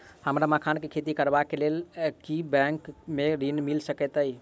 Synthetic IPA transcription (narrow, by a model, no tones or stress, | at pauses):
həmɾamakʰankekʰet̪ikəɾbakelelkibɛ̃ŋkmeɾinmilsəkɛt̪əj